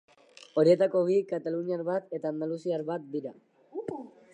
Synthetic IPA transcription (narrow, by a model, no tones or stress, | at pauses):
o̞ɾie̞t̪ako̞βikat̪aluniaɾβat̪e̞t̪aːnd̪alusiaɾβat̪̚d̪iɾa